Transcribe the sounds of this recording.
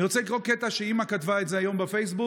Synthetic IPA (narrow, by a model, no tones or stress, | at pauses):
iʁot͡sɛlikʁokːet̪aʃeimakat̪vaetzeajo̞mbefejs̬bu